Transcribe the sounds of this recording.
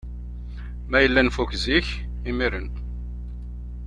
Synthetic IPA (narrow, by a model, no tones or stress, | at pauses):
mæjəlːænfukziç | imiɾən